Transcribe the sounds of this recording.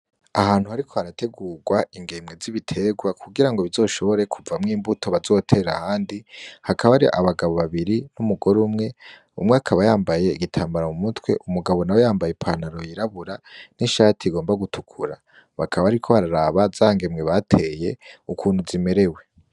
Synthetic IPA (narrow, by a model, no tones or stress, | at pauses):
a̰haːn̥huhaɾikʰo̞haɾate̞ɡuːɡwaiŋɡe̞mɡe̞ziβitʰe̞ɡwakʰuɡiɾaŋɡoβizo̞ːʃo̞βo̞ɾe̞kʰuvamŋiːmbutʰo̞βazo̞tʰe̞ɾa̰haːndihakʰaβaaɾiʔa̰βaɡaβo̞βaβiɾinumuɡo̞ɾumŋe̞ | ṵmŋeakʰaβajaːmbaje̞iɡitʰaːmbaɾamumutwe̞̰ʔumuɡaβo̞nawejaːmbaje̞pʰanaɾo̞jiɾaβuɾaniʃaːtʰiɡo̞ːmbaɡutʰu̥kʰuɾa | βakʰaβaaɾikʰo̞βaɾaɾaβazaŋɡe̞mŋɡe̞βatʰe̞je̞̰ukʰuːnhuzime̞ɾe̞we̞